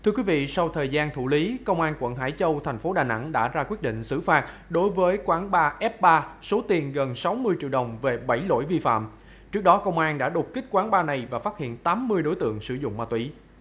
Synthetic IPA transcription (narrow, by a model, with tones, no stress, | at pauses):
t̪ʰɨ˧əkwi˨˦vḭ˧˨sa˧wt̪ʰəː˨˩jzaː˧nt̪ʰu˧˩li˨˦kə˧wŋ͡mʔaː˧nkwə̰˧˨nɦa̰ː˧˥˩jt͡ɕə˧wt̪ʰɛ˨˩ŋ̟fo˨˦ɗaː˨˩na̰˧˥ŋɗa̰ː˧˥zaː˧kwi˦˥ət̚ɗḭ˧˨ŋ̟sɨ̰˧˩faː˦˥t̚ɗo˨˦jvəː˨˦jkwaː˨˦nɓaː˧ʔɛ˦˥p̚ɓaː˧so˨˦t̪i˨˩ənɣə˨˩nsa˨˦wmɨ˧əjt͡ɕḭ˧˨əwɗə˨˩wŋ͡mve˨˩ɓa˧˩jlo̰˧˥jvi˧fa̰ː˧˨m | t͡ɕɨ˦˥ək̚ɗɔ˨˦kə˧wŋ͡mʔaː˧nɗa̰ː˧˥ɗʊ˨˩k͡p̚ki˦˥k̟̚kwaː˨˦nɓaː˧na˨˩jvaː˨˩faː˦˥t̚hḭ˧˨ənt̪aː˨˦mːɨ˧əjɗo˨˦jt̪ɨ̰˧˨əŋsɨ˧˩zʊ̰˧˨ŋ͡mmaː˧˩t̪wi˧˩˦